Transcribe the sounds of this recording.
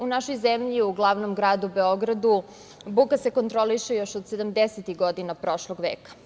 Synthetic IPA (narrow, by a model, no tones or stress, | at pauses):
unaʃo̞jzemʎiuɡlˠaʋnomɡɾaːd̪ubeo̞ɡɾad̪u | bukase̞ko̞nt̪ɾo̞liʃejo̞ʃod̪sed̪amd̪eset̪iɣɡod̪inapɾo̞ʃlˠoɡʋeːkḁ